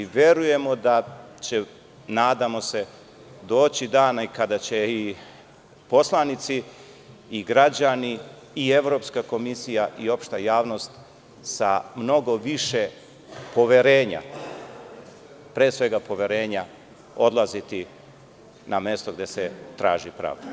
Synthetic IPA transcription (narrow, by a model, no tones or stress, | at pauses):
iʋje̞ɾuje̞mo̞d̪at͡ɕe̞ | naːd̪amo̞se̞ | d̪o̞ːt͡ɕid̪aːnaikad̪at͡ɕe̞i | po̞slˠanit̪siː | ɡɾad͡ʑaniː | e̞ʋɾo̞pskako̞misijaʔio̞pʃt̪ajaːʋno̞st̪ | samno̞ɡo̞ʋiʃe | po̞ʋeɾe̞ːɲa̰ | pɾeːsʋe̞ɡapo̞ʋeɾe̞ːɲa | o̞d̪lˠazit̪i | nʔame̞st̪o̞ɡd̪eset̪ɾa̰ːʒipɾa̰ːʋd̪a